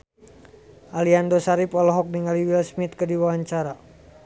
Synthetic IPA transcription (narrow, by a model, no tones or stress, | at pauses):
ʔaliandɔsaɾipɔlɔɦɔk̚niŋaliwilsmit̪̚kədiwawaɲt͡ʃaɾa